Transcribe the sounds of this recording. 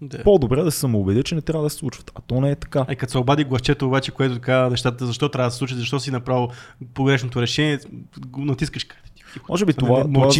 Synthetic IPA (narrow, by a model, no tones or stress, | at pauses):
d̪apod̪obɾɛd̪ɐsɛ̥sɐmoːbɛd̪ət͡ʃɛnɛt̪ɾʲjavəd̪ɐsɛ̥slˠut͡ʃv̥ə̥t̪ɐt̪ɔnɛɛt̪ɐ̥kaikɐt̪sɛobad̪iɡlˠɐt͡ʃɛt̪oːbat͡ʃɛkoɛt̪ʊt̪ɐkanɛʃt̪at̪t̪əzɐʃt̪ɔt̪ɾʲavɐd̪ssˠut͡ʃət̪zɐʃt̪ɔsinɐpɾavipoɡɾɛʃnot̪oɾɛʃɛniɛnɐt̪iskəʃkat̪i̥t̪i̥mʔɔ̰ʒɛbiovat̪ova